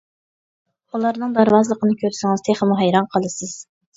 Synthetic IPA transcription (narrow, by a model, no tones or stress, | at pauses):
ulˠɑɾnɨŋd̪ɑɾvɑzlˠəqʰənɨkʲʰøɾsɪŋɨz̥t̪ʰeχɪmʊɦɛjɾɑnqʰəlˠɨsɨz̥